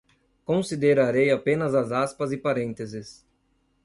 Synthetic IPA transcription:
kõsid̪eɾaɾejapẽnɐzɐzaspɐzɪpaɾẽnt̪ezɪs

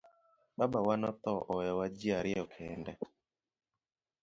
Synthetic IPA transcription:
babawanɔt̪ɔʔɔɛwad͡ʒɪaɾɪɔkʰɛndɛ

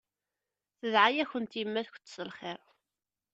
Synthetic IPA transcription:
θəðʕajæçənt̪jəmːæðç̥ʷt͡sːsəlχɪɾˤ

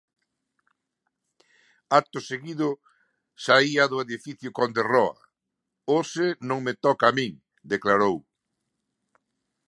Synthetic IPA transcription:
ak̚t̪ʊseɣiðʊ | saiɐðʊeðifiθjʊkond̪erɔɐ̰ | osɪnõŋmet̪ɔkaːmĩŋ | d̪eklaɾow

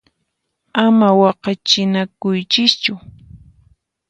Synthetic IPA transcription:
amawɑqɑt͡ʃɪnakʊjt͡ʃɪst͡ʃʊ

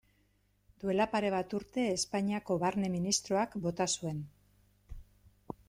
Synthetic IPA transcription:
d̪ue̞lapaɾe̞βat̪uɾt̪e̞ːspaɲiako̞βaɾne̞minist̪ɾo̞akbo̞t̪asue̞n

